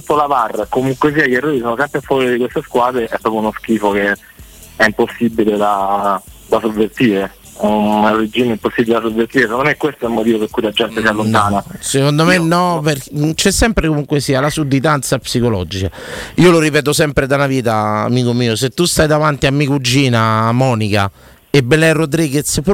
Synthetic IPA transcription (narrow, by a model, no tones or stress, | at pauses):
t̪ut̪ːolavarːkomuŋkwes̬iːajɛrːoːɾis̬oːnosɛmpɾefwɔːɾid̪ikwest̪eskwaːd̪ɾeʔɛpːɾɔpjunosk̟iːfoke | ɛimposːibiled̪a | d̪asovːert̪iːɾe | nɛorid͡ʒːiːmeimposːibiled̪as̬ovːert̪iːɾesekond̪omekːwest̪oɛlmot̪̬iːvopeɾkujilad͡ʒɛnt̪esialːont̪aːnasekond̪omenːɔpet͡ʃɛsːɛmpɾekomuŋkwesiːalasud̪ːit̪ant̪sapsikolɔ̰d͡ʒikaiːoloɾipɛːt̪̬osɛmpɾed̪anaviːt̪aa̰miːkomiːoset̪ːust̪ajd̪avant̪iamːikud͡ʒːiːnamɔːnika̰ | ebːelɛrod̪ɾiːɡet̪sp